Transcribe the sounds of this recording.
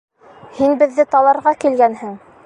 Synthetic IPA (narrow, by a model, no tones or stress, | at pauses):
hinbɘ̆ðːɘt̪ɑlˠɑɾʁɑkilɡænhɘŋ